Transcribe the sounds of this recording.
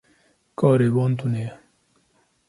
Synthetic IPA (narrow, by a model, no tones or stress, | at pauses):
kɔːɾeboːnt̪uneja